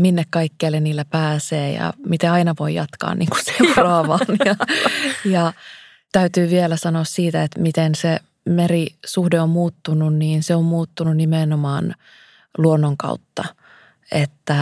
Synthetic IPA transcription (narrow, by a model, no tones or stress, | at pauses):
minːekkɑikːeːlːeniːlːæpæːseːjɑ̰mit̪eɑinɑʋoijɑt̪kɑ̰ːnnḭːŋku̥seːrɑʋɑːnjɑ | jɑ | t̪æyt̪yːʋielæsɑnoːssiːt̪æet̪mit̪ense | merisuhdeommuːt̪ːununniːnseommuːt̪ːununimenomɑːn | luonːoŋkɑ̰ut̪ːɑ | et̪ːæ